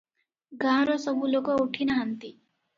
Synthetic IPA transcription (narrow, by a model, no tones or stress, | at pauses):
ɡãɾɔsʌbʱulokɔuʈʰinaɦant̪i